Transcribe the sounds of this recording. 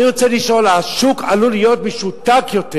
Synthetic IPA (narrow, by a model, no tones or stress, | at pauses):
iʁot͡seliʃo̞laʃukʰalulijo̞t̪meʃut̪akjo̞t̪e